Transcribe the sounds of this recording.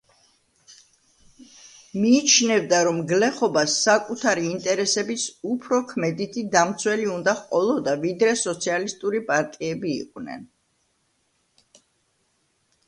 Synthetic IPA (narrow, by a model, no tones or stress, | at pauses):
miːt͡ʃʰnɛvd̪aɾɔmɡlɛχɔbasːakʼut̪ʰaɾiːnt̪ʼɛɾɛsɛbisupʰɾɔkʰmɛd̪it̪ʰid̪amt̪sʰwɛliund̪aχqʼɔlˠɔd̪avid̪ɾɛsɔt̪sʰialist̪ʼuɾipʼaɾt̪ʼiɛbḭːqʼnɛ̰n